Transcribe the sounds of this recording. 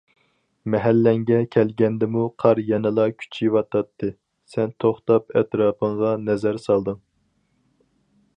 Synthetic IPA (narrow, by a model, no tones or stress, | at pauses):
mɛɦælːɛŋɡʲɛkʲʰɛlɡʲɛnd̪ɪmuqʰɑɾjɛnɨlˠɑkʲʰy̥t͡ʃʰiwɑt̪ʰɑt̪ʰːɨ | sɛnt̪ʰoχt̪ɑpɛt̪ɾɑːpʰəŋʁɑnɛzæɾsɑlˠd̪ɨŋ